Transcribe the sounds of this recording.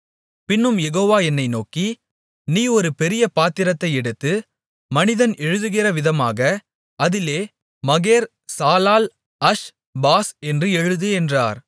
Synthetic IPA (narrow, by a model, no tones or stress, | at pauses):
pɪnːɯmjɛɣoːʋaːɛnːɐɪnoːki | niːɔɾɯpɛɾɪjɐpaːt̪ɪɾɐt̪ːɐɪɛɽɯt̪ːɯ | mɐnɪðɐnɛɻɯðɯɣɪrɐʋɪðɐma̰ːɣɐ | ɐðɪleː | mɐɣeːɾ | saːlaːl | ɐʂ | baːsɛndrɯɛɻɯðɯɛndraːɾ